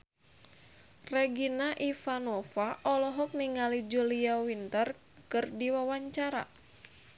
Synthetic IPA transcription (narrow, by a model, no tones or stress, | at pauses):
rɛɡinaʔifanɔfaʔɔlɔɦɔk̚niŋalid͡ʒuliawint̪ər | kɨrdiwawaɲt͡ʃaɾa̰